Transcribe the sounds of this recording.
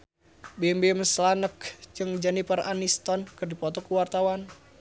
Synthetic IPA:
bɛmbɛməslanəkt͡ʃɨŋd͡ʒanipəranist̪ɔnkərdipɔt̪ɔkuwart̪awan

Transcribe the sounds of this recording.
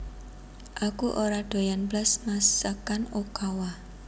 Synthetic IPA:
ʔakuʔoɾaɖ̥o̤janblasmasəkanokawa

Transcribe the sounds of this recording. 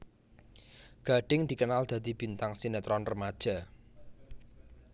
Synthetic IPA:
ɡ̥a̤ɖ̥ɪŋd̪̥ikənald̪̥ä̤d̪̥i̤b̥i̤nt̪aŋsinet̪ɾɔnrəmad̥ʒ̥a̤

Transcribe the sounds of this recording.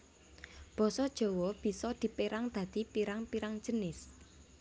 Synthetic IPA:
b̥ɔ̤sɔd̥ʒ̥o̤wɔb̥i̤sɔd̪̥i̤peɾaŋd̪̥ä̤d̪̥i̤piɾaŋpiɾaŋ̥d͡ʒ̥ənɪs

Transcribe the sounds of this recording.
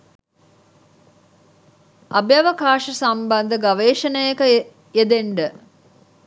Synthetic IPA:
abjɐʋəkaːʂəsambɐnd̪əɡaʋeːʃənəjəkə | jed̪eɳɖə

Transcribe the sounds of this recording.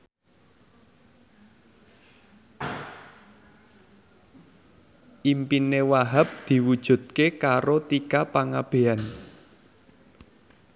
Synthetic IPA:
ʔimpinewaɦap̚d̪̥i̤wud̥ʒ̥ṳd̪̚kekaɾot̪ikapaŋab̥e̤an

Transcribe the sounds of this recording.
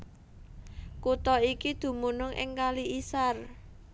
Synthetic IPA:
kut̪ɔikid̪̥ṳmunʊŋʔɪ̰ŋkaliʔisar

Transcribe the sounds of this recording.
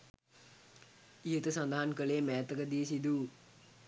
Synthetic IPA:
ijət̪əsand̪aɦankəleːmɛːt̪əkəd̪ijəsid̪uː

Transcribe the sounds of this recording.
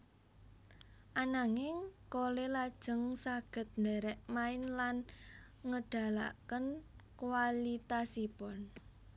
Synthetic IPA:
ʔanaŋɪŋkolelad̥ʒ̥ə̤ŋsaɡ̥ə̤t̪̚nd̪ɛɾɛʔmaɪnlan | ŋəɖ̥a̤la̰kənkwalit̪asipɔn

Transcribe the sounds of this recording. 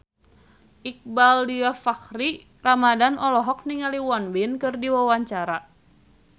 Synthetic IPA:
ʔik̚baldiafakɾi | ramadanɔlɔɦɔk̚niŋaliwanbinkɨrdiwawaɲt͡ʃaɾa

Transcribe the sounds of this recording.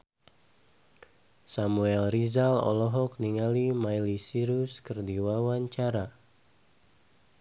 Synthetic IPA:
samuɛlrizalɔ̰lɔɦɔk̚niŋalimajlisiɾuskərdiwawaɲt͡ʃaɾa

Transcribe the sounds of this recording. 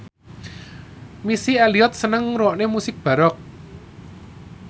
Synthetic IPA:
misiɛliɔt̪̚sənəŋɾuwɔʔnemusɪk̚b̥a̤ɾɔk̚

